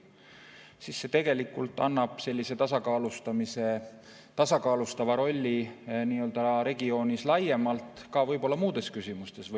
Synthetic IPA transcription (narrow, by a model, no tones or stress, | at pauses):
sisːe̞t̪e̞ɡ̥e̞likːˑult̪ːˑɑnːɑb̥se̞lʲːise̞t̪ɑsɑkɑːlust̪ɑmise | t̪ɑsɑkɑːlust̪ɑvɑɾo̞lʲːiniːø̞ld̪̥ɑɾe̞ɡio̞ːnislɑje̞mɑlt̪kɑvɤjbo̞lːɑmuːd̪̥e̞skysimust̪e̞sv